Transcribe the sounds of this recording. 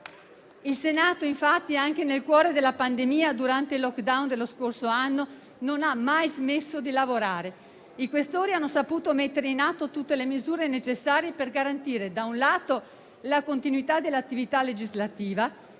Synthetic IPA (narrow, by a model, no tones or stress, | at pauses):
ilsenaːt̪oiɱfat̪ːiaŋk̟enelkwɔːɾed̪elːapand̪emiːad̪uɾant̪eilːɔkd̪awnd̪elːoskorsoanːo | nonamːajzmesːod̪ilavoɾaːɾe | ikwest̪oːɾianːosapuːt̪omet̪ːeɾeinat̪ːot̪ut̪ːelemizuːɾenet͡ʃesːaːɾjeperɡaɾant̪iːɾed̪aunlaːt̪o | lakont̪inuit̪ad̪elːat̪ːivit̪alːed͡ʒizlat̪iːva